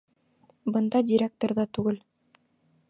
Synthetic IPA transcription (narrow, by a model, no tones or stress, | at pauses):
bɤ̆nd̪ɑdʲiɾʲek̚t̪oɾðɑt̪ʉɡɘl